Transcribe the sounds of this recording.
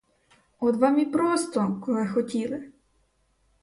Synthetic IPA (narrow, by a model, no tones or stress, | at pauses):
ɔd̪ʋɑmʲipɾɔst̪ɔkɔlˠɪxɔtʲilˠɪ